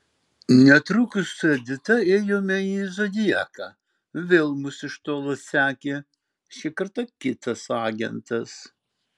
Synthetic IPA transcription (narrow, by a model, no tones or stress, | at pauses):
nʲɛt̪ɾʊkʊsʊɛd̪ʲɪt̪ɐeːjoːmʲɛizod̪ʲɪjɛːkɑ | ʋʲeːlˠmʊsɪʃt̪oːlˠɐssʲæːkʲe | ʃʲɪkɐɾt̪ɐkʲɪt̪ɐsɑːɡʲɛ̰nt̪ɐs